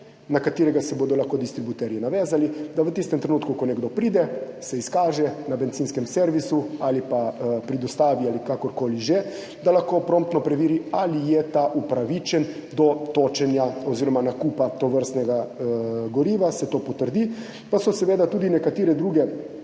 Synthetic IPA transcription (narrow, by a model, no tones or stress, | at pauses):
nakat̪iːɾɛɡasɛboːd̪ɔlaxkod̪ist̪ɾibut̪ɛɾjɛnaʋɛːzalid̪aʋət̪ist̪ɛmt̪ɾenuːt̪kukɔnɛɡd̪opɾiːd̪ɛsɛiskaːʒɛnabɛnt̪siːnskɛmseɾʋisualipapɾid̪ɔst̪aːʋialikakɔɾkoːliʒɛ | d̪alaxkoːpɾoːmt̪nɔpɾɛʋiːɾialijɛt̪aʔupɾaʋit͡ʃɛnd̪ɔt̪oːt͡ʃɛnjaoziːɾɔmanakuːpat̪oʋəɾst̪nɛɡa | ɡɔɾiːʋasɛt̪oːpɔt̪əɾd̪i | pasɔsɛʋeːd̪at̪uːd̪inɛkat̪iːɾɛd̪ɾuːɡɛ